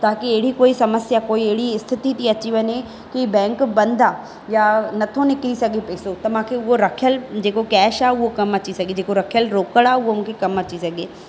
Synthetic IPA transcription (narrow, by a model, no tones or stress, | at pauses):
t̪aːkiɐɦɪɽikoːisɐməsjakoːiɐɦɪɽiɪst̪ʰɪt̪it̪ʰiɐt͡ɕiʋɐɲe | kibɛ̃ːŋkbɐ̃nd̪ʱa | janɐt̪ʰonɪkɾisɐɡʱepeːsot̪ɐʋ̤ãkʰeʊɦoɾɐkʰjəld͡ʑeːkokɛːʃaʊɦokɐmɐt͡ɕisɐɡed͡ʑeːkoɾɐkʰjəlɾoːkəɽaːʊɦomũːkʰekɐmɐt͡ɕisɐɡʱeː